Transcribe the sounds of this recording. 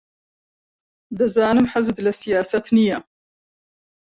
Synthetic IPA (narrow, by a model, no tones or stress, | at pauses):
d̪azaːnəmħazd̪lasɪjaːsat̪nija